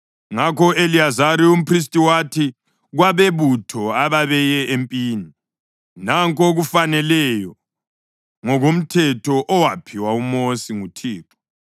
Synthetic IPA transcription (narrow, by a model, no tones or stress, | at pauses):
ŋakʰɔeliazaɾium̩pʰris̬tʼiwatʰi | ɣwaβeβutʰɔaβaβɛjɛʔempʼiːni | naŋkʼoɣufanɛlɛjɔ | ŋɔɣom̩tʰɛtʰɔʔɔwapʰiwaumosiŋutʰiːǁʰɔ̥